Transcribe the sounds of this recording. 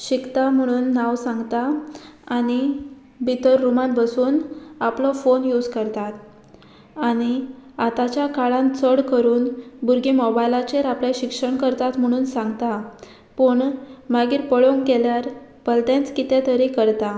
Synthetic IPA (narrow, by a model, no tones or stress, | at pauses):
ɕikt̪am̤əɽ̃uːnːaʋsãŋɡt̪aː | ñi | bʱit̪əɾːumanbəsuːnaplɔfonjud͡zkəɾt̪at̪ | aɽ̃iat̪at͡ɕjakaɭãnt͡səɽkəɾuːnbuɾɡimɔbajlat͡ɕeɾaplãɕikʂəɳkəɾt̪at̪m̤əɽ̃uːnsãŋɡt̪a | pəɳmaɡiːɾpəɭoŋkɛljaɾpəlt̪ẽnt͡skit̪ɛ̃t̪əɾikəɾt̪a